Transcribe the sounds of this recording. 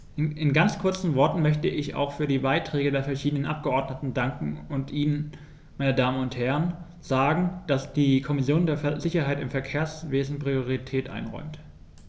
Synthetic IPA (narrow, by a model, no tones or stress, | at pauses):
ɪnɡant͡skʰʊɐt͡sn̩vɔɐtn̩mœçtəʔɪça̰ʊxfyːɐdiːbaɪtʁ̥ɛːɡədeːɐfɛɐʃiːdənənʔap̚ɡ̥əʔɔɐdnətn̩daŋkŋ̩ʊntʔiːnən | maɪnədaːmənʊnthɛʁən | z̥aːɡŋ̩d̥asd̥iːkʰɔmɪsjoːndeːɐzɪçɐɦaɪtɪmfɛɐkʰeːɐsv̥eːzn̩pʁ̥ioʁitʰɛːtʔa̰ɪnʁɔ̰ʏmt